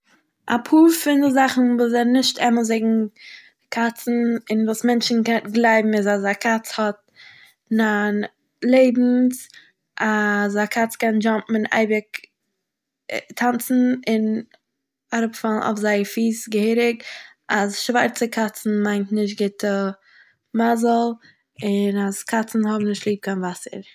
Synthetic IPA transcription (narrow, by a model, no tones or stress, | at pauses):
ʔa̰pʰuːɾfɪndɪzaχn̩vuːs̬ɛɾnɪʃtɛməzeɪɡŋ̩ | kʰat͡sn̩ɪnvuːsmɛnt͡ʃn̩kɛtɡlˠaɪbm̩ɪzazakʰat͡shɔt̚ | nan | lˠeɪbm̩s | ʔas̬akʰat͡skɛnd͡ʒɔmpm̩ɪna̰ɪbɪk | tʰant͡sn̩ɪn | aɾʊpfalˠnʔa̰ʊfzaɪəɾfiːsɡəheːɾɪɡ | ʔasʃvaɾt͡səkʰat͡sn̩maɪntnɪʃ̬t̚ɡɪtə | mazəl̩ˠ | ɪnaskʰat͡sn̩hɔbm̩nɪʃtlˠiːp̚kʰaɪnvasə̰ɾ